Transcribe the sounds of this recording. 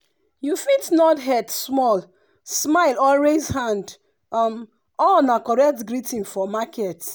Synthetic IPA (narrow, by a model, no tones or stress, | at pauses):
jufitnɔtɦɛdsmɔl | smaɪlɔlwezhãnd | ɔm | ɔlnakɔɹɛk̚tɡɹitĩnfɔmakʰɛt